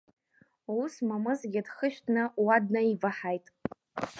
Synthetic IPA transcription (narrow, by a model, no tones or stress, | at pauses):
usmamɨzɡʲɪdχəʃᶣtʰnɨwad̚naivaħajtʼ